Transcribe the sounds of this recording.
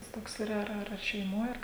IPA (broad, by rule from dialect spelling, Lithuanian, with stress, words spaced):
tɐs ˈtoːks iːˈrɐ ˈɐr ˈɐr ɐr ʃʲɛɪˈmoːj ˈɐr